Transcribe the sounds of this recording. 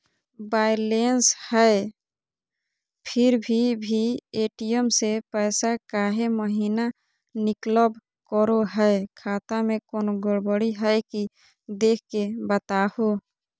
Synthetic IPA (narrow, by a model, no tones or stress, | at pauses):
baːjlenshə | pʰɪɾbʱibʱieːʈijəmsepəsakaːɦeməɦina | nɪkləb | kəɾoɦɛekʰaːt̪amẽkoːnoɡəɽbəɽiɦɛɪki | d̪eːkʰkːebət̪aho